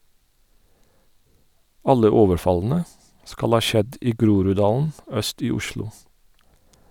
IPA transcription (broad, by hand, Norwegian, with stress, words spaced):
ˈɑlə ˈoːʋəɾˌfɑln̩ə ˈskɑl ˈhɑː ˈʃɛd ˈiː ˈɡɾuːɾʉˌdɑːln̩ ˈœst ˈiː ˈʊʃlʊ